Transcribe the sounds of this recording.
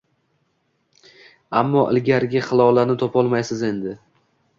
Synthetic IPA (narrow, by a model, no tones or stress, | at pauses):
amːɒʔɪ̰lɡʲaɾɡʲɪχɨlˠɒlanɪt̪ʰɒpʰɒlˠmajsɪze̞nd̪ɪ